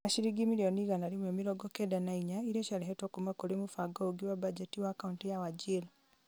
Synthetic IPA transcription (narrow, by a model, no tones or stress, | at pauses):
aʃiɾiɡimilioniɣanalimwemiɾoɡokedanaiɲaiɾeʃaliɦetokumakulimufaɡouɡiwabad͡ʒetiwaːkauntijawad͡ʒila